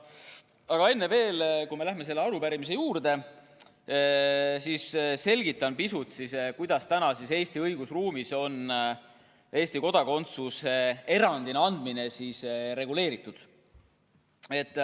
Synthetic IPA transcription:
ɑɡ̥ɑe̞nːeve̞ːlkujme̞læɦme̞s̬e̞lːeɑɾupæɾimis̬e̞juːrd̪e̞ | sisse̞lʲɡ̥it̪ːˑɑnpisut̪siskujd̪̥ɑst̪ænɑsise̞ːst̪iɤjɡ̥usruːmiso̞n | e̞ːst̪iko̞d̪ɑko̞nt̪susee̞ɾɑnd̪ineɑnd̪̥mine̞sisɾe̞ɡule̞ːɾit̪ːˑud̪̥ | e̞t̪ːˑ

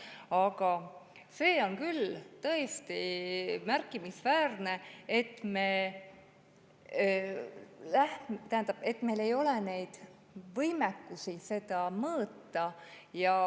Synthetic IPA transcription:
ɑɡ̥ɑ | se̞ːo̞nkylt̪ɤ̞est̪imærkːˑimisvæːrne̞et̪ːˑme̞ | læht̪æhænd̪̥ɑb̥e̞t̪ːˑme̞jle̞jo̞lene̞jd̪̥ | vɤjmekːusise̞d̪̥ɑmɤːt̪ːɑ | jɑ

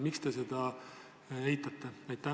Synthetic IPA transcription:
mikst̪e̞se̞d̪̥ɑ | ejt̪ːˑɑt̪ːeɑjt̪ːæ

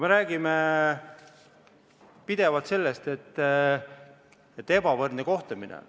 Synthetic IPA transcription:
kme̞ɾæːɡ̥ime | pid̪̥e̞vɑlt̪se̞lːest̪e̞t̪ː | et̪ːe̞bɑvɤrd̪eko̞ht̪ɑminḛ

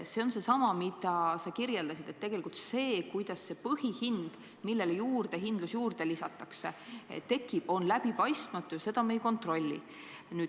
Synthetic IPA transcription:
se̞o̞nse̞sɑmɑmid̪ɑsɑkirje̞ld̪ɑsid̪̥et̪ːe̞ɡ̥e̞likult̪se̞ːkujd̪̥ɑsːe̞pɤhihind̪̥ | milːe̞lejuːrd̪̥e̞ɦind̪lusjuːrd̪̥e̞lisɑt̪ːˑɑksḛt̪e̞kːˑib̥o̞nlæb̥ipɑjst̪mɑt̪ːˑujɑse̞d̪̥ɑmejko̞nt̪ːˑro̞lʲːḭ | nyː

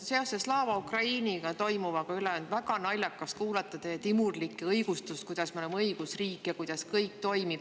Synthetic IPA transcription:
se̞o̞seslɑːvɑukrɑiːniɡ̥ɑt̪o̞jmuvɑkɑyleɑnd̪̥væɡ̥ɑnɑlʲjɑkːˑɑskuːlɑt̪ːˑɑt̪ejet̪imurlikːˑɤjɡ̥ust̪uskujd̪̥ɑsmio̞lemɤjɡ̥usriːkːˑijɑkujd̪̥ɑskɤjk̚t̪o̞jmib̥

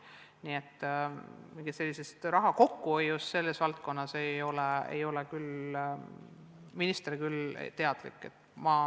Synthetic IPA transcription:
niːe̞t̪ːmiŋɡ̥ise̞lːise̞st̪rɑɦɑko̞kːuojːusse̞lːe̞svɑlt̪̚ko̞nːɑse̞jo̞leḛjo̞lekyl | minist̪eɾikyl̰t̪e̞ɑd̪̥lḭkːˑe̞t̪ːmɑ

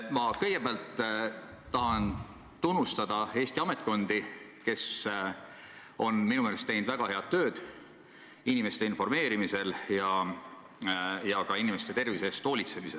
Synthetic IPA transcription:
mɑkɤ̞jɡ̥e̞beɑlt̪ː | t̪ɑɦɑn | t̪unːust̪ɑd̪̥ɑe̞ːsʲt̪iɑme̞t̪̚ˑko̞nd̪i | ke̞s | o̞nminumeːlest̪e̞jnd̪væɡ̥ɑhe̞ɑd̪̥̚ːø̞ːd̪̥ | inime̞st̪e̞info̞rme̞ːɾimise̞ljɑ | jɑkɑinimest̪e̞t̪e̞rvise̞st̪o̞ːlit̪se̞misel

